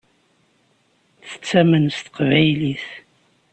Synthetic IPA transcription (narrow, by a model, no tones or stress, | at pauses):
θə̥t͡sːæmənst̪ə̥qvæjliθ